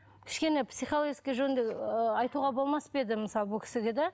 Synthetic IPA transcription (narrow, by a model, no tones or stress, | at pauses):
kʲʰɪ̥ʃkʲe̞nepsijχolˠoɡʲiskʲijʒɵnd̪eɑjt̪uʁɑbo̞lˠmɑsped̪ɪməsɑlˠbʊlkʰɪ̥sɪɡʲɪd̪æ